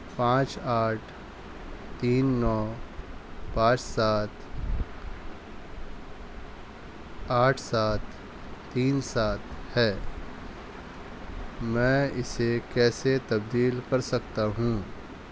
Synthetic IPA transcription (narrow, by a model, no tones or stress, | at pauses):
pãːt͡ʃaːʈʰ | t̪iːnːɔː | pãːt͡ʃsaːt̪ | aːʈʰsaːt̪ː | iːnsaːt̪hɛː | mɛ̃ːɪsekɛːset̪ɐb̚d̪iːlkɐɾsɐkt̪aɦũː